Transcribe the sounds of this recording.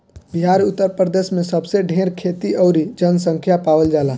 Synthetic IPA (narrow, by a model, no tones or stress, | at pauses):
biɦaːɾʊt̪ːəɾpɾəd̪eːʃmẽsəbseɖʱeːɾkʰeːt̪iʔəʊɾid͡ʒənsə̃ŋkʰjapaːwəld͡ʒaːlaː